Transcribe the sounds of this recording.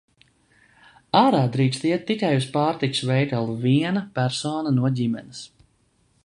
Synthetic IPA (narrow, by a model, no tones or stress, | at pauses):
aːɾaːd̪ɾiːkst̪iɛt̪ːikajuspaːɾt̪iku̥svɛjt̪alˠviɛnapæɾsɔːnanuɔɟʲimɛ̰nɪs